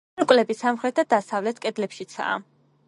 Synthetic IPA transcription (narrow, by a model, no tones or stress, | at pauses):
ɾkʼlɛbisamχɾɛt̪̚ʰd̪ad̪asavlɛt̪ʰkʼɛd̪lɛpʃit̪sʰa̰ː